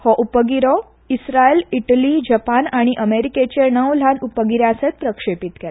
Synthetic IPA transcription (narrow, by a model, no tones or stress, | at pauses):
hɔʔupəɡiɾɔ | isɾaeliʈəlid͡ʑəpanaɽ̃iʔəmeɾiket͡ɕenəʋl̤anupəɡiɾaəset̪̚pɾəkʂepit̪kel